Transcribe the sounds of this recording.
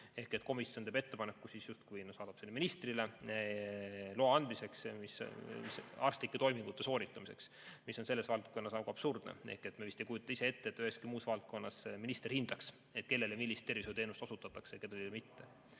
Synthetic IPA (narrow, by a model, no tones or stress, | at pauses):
e̞hke̞t̪ko̞misjont̪eːbe̞t̪ːe̞pɑnekːˑusisjust̪̚kujnsɑːd̪ɑpselːeminist̪rile | loɑɑnd̪mise̞ksmismisɑ̰rst̪likːet̪o̞jmiŋɡ̥ut̪ːe̞so̞ːɾit̪ːˑɑmise̞ks | misːo̞nse̞lːesvɑlt̪̚ko̞nːɑsɑwɡuɑb̥surd̪̥nḛḛhke̞t̪mevist̪ejkujut̪ːˑɑisee̞t̪ːeːt̪ːyheskimuːsvɑlt̪̚ko̞nːɑsminist̪erhind̪̥ɑks | e̞t̪ke̞lːeljɑmilʲːist̪ːe̞rviset̪e̞ːnust̪osut̪ːˑɑt̪ːˑɑksejɑke̥eljlmit̪ːe